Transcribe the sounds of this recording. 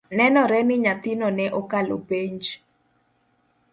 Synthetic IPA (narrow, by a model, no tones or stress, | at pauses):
nɛnɔɾɛnɪɲat̪ɪnɔnɛʔɔkalo̰peɲd͡ʒ